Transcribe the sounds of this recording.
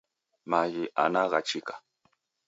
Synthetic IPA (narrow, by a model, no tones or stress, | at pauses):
majiʔa̰naɢɑ̰t͡ʃikḁ